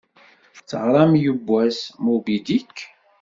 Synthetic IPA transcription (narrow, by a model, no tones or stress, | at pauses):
t͡sːəʁɾˤɑmjəbːæsmubid̪ikː